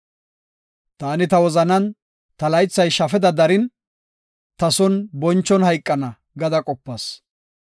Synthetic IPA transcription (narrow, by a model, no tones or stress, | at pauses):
t̪aːnɪt̪ɐwɔzɐnɐn | t̪ɐlɐjt͡sːɐjʃɐfɛd̪ɐd̪ɐɾɪn | t̪ɐsɔnbɔnt͡ʃːɔnhɐjkʼːɐnɐ | ɡɐd̪ɐkʼɔpːɐs